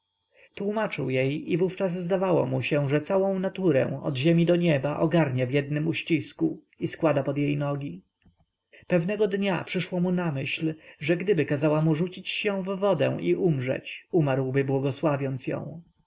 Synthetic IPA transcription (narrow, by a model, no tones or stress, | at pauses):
t̪wumat͡ʂɘ̰wjejivuft͡ʂazzd̪avawɔ̰muɕɛ̃ʐɛt̪sawɔ̃w̃nat̪uɾɛ̰̃w̃ɔ̰d̪ʑemʲid̪ɔɲɛbaʔɔɡaɾɲavjɛd̪̚nɘmuɕt͡ɕisku | iskwad̪apɔd̪jejnɔɡʲi | pɛvnɛɡɔd̪ɲapʂɘʂwɔmunamɘɕlʐɛɡd̪ɘbɘkazawamuʐut͡ɕit͡ɕɕɛ̃vːɔd̪ɛ̰̃w̃ʔiʔumʐɛ̰t͡ɕumaɾwbɘbwɔɡɔswavʲjɔnt̪sjɔ̰̃w̃